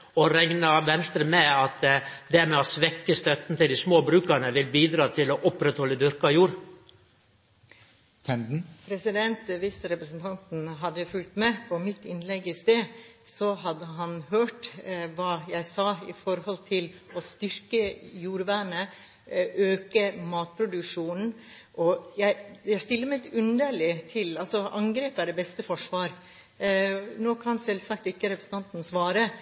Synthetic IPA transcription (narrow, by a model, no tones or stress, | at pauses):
ɔɾɛŋnɑʋɛnst̪ɾəmɛɑt̪d̪æɾmɛɔsʋɛkːəst̪œt̪n̩t̪ɪld̪ɪsmoːbɾʉːkəɾɳnəʋɪlbiːd̪ɾɑːt̪ʰɪlɔʔʊpɾɛt̪hɔlːəd̪ʏɾkɑjuːɾ | t̪ʰɛnd̪n̩pʰɾɛsɪd̪ɛnt̪ʋisəɾɛpɾəsn̩t̪ʰɑnt̪n̩ɦɑd̪ːəjʊfʉlt̪mɛpʰɔmɪt̪ːɪ̰nlɛɡɪst̪eːsɔɦɑd̪ːəɦɑnhøːʈʋɑːjæɪsɑːɪfɔɾhɔlt̪ʰɪlɔst̪ʏɾkəjuːɾʋæːɳə | ʔøːkəmɑːt̪̚pʰɾʊd̪ʉkʂuːnn̩ | ʔɔjæɪjæɪst̪ɪlːəmæɛt̪ʉnd̪əlɪt̪ʰɪlɑlsɔɑŋɡɾeːpæɖɛbɛst̪əfɔʂʋɑːɾ | noːkʰɑnsɛlsɑk̚t̪ɪkːəɾɛpɾəsn̩t̪ʰɑnt̪n̩sʋɑːɾə